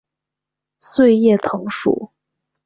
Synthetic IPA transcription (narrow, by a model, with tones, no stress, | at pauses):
swe˥˧ɪjɛ˥˩t̪ʰɤ˧˥ŋʂṵ˨˩˦